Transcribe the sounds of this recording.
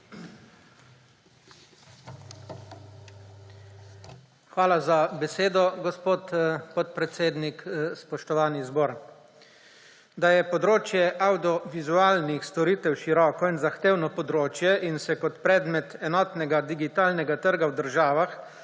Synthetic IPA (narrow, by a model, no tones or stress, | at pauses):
xʋaːlazabɛseːd̪ɔɡɔspoːt̪pɔt̪̚pɾɛt̪seːd̪nikspɔʃt̪ɔʋaːnizbɔːɾ | d̪ajɛpɔd̪ɾoːt͡ʃjɛʔawd̪iɔʋizuaːlnixst̪ɔɾiːt̪ɛwʃiɾɔːkɔinzaxt̪eːwnɔpɔd̪ɾoːt͡ʃjɛʔinsɛkɔt̪pɾɛːd̪mɛt̪ɛnɔːt̪nɛɡad̪iɡit̪aːlnɛɡat̪əɾɡawd̪əɾʒaːʋax